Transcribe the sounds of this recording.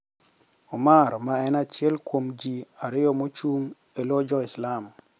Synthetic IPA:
ɔmaɾmaɛnat͡ʃjɛlkʰwomd͡ʒiaɾɪjɔmot͡ʃuŋ | elod͡ʒɔislam

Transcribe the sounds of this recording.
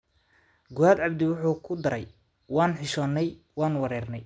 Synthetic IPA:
ɡʊaːd̪ʕɑbd̪ɪwʊħuːkʰʊd̪ɐɾɛj | wɑːnħɪʃɔːnːɛj | wɑːnwɑɾɛːrnɛj

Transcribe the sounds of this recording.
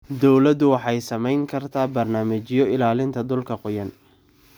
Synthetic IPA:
d̪ɔwlɐd̪ʊwɑħɑjsɐmɛjŋkʰɐrt̪ʰaːbɐrnaːmɐt͡ʃɪjɔɪlaːlɪnt̪ʰɐd̪ʊlkʰɐqʊjɐn

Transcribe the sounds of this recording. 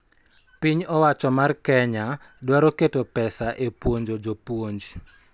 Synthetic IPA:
piɲɔwat͡ʃɔmarkɛɲa | dwaɾoketopɛsaʔepwoɲd͡ʒod͡ʒopwoɲd͡ʒ

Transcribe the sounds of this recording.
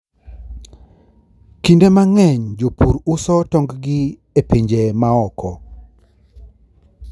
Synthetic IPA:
kindemaŋɛɲd͡ʒopuɾusɔtɔŋɡɡɪ | epeɲd͡ʒemaɔkʰɔ

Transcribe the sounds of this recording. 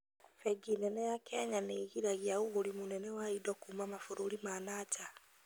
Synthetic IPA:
fɛɡinɛnɛjakʰɛɲaneːɣiɾaɣiaɣuɣoɾimonɛnɛwaidɔkuːmamafoɾoɾimanata

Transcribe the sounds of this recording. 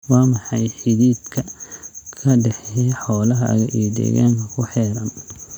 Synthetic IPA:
wɑːmɑħɑjħɪðiːd̪kʰɐkʰɐɖɛħɛħɔːlɐɦɐ̰ɣɐʔḭd̪ɛ̰ɣa̰ːŋkʰɐkʰʊħɛːɾɐn

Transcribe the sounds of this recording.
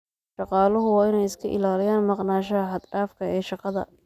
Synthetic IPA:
ʃɑqɑːlʊɦʊwɑːɪnɛjɪskʰɐʔɪ̰laːlɪjaːnmɑqnaːʃɐɐɦɐd̪ɖaːfkʰɐɛːʃɑqɑðɐ̰

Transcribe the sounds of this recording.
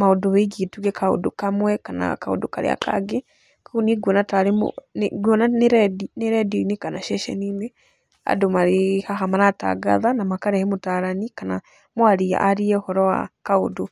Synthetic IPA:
maodoβeɡituɣɛkao̰dokamwɛkana̰kao̰doka̰ɾḛa̰ka̰ɡe | kuniɡwɔnataɾemo̰nɡwɔnaneɾɛdineɾɛdinekanaʃɛʃɛ̰ninɛ | a̰domaɾehaɦamanata̰ɡa̰ðanamakaɾɛhɛmotaːɾanikana | mwaɾia̰ʔaɾiɛhɔɾɔwa̰kao̰do

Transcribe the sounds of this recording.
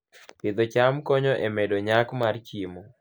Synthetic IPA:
pɪd̪ot͡ʃamkɔɲɔʔemɛdoɲakmart͡ʃimo

